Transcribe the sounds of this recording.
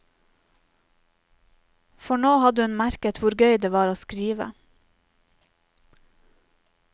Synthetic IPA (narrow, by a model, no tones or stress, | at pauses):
fɔɳoːhɑd̪əʉnmæɾkət̪ʰʋʊɾɡœʏd̪eːʋɑːɾoːskɾiːʋə̰